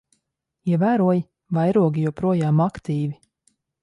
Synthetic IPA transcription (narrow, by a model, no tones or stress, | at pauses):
iɛvæːɾuɔji | vajɾuɔɡʲijuɔpɾuɔjaːmakt̪iːvi